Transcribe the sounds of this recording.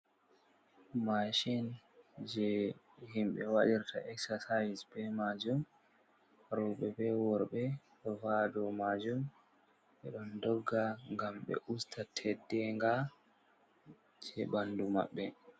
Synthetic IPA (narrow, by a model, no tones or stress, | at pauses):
maʃind͡ʒɛ | himɓɛwaɗiɾtʰa̰ʔɛksasajsbɛmad͡ʒum | ɾɔɓɛbɛwɔɾɓɛ | ɗɔvadɔmad͡ʒum | ɓɛɗɔndɔɡːaŋɡamɓɛ̰ʔustʰatʰɛdːɛŋɡa | d͡ʒɛbanduma̰ɓːɛ